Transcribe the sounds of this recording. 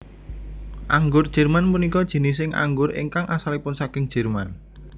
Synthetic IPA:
ʔaŋɡʊrd̥ʒ̥ɛ̤rmanpunikɔd̥ʒ̥i̤nɪs̬ɪŋʔa̰ŋɡʊrɪ̰ŋkaŋʔasalipʊnsakɪŋd̥ʒ̥ɛ̤rman

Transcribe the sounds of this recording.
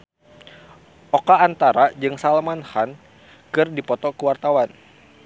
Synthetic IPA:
ʔɔkaːnt̪aɾad͡ʒɨŋsalamanhan | kɨrdipɔt̪ɔkəwart̪awan

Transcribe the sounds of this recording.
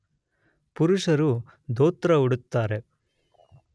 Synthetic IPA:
puɾuʂɐɾu | d̪oːt̪ɾɐuɽut̪ːaːɾe̞

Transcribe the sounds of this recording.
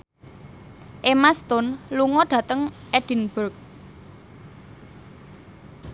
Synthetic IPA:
ʔemast̪ʊnluŋɔɖ̥ä̤t̪əŋʔɛd̥i̤nb̥ərk̚

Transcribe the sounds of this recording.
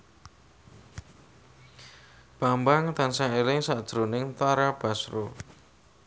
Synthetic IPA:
b̥ambaŋt̪ansaelɪŋsaʔd̥ʒ̥ɾonɪŋt̪aɾab̥a̤sɾo

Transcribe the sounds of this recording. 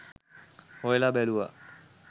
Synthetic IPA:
hoelabɛlua̰

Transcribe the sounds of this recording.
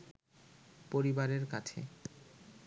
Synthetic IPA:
poɾibaɾeɾkat͡ɕʰḛ

